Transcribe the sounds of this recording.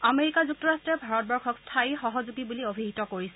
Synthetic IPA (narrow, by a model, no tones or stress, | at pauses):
ameɹikazuk̚tɔɹastɹɛbʱaɹɔt̚bɔɹkʰɔkstʰaixɔɦɔzuɡibuliobʱiɦitɔkoɹisɛ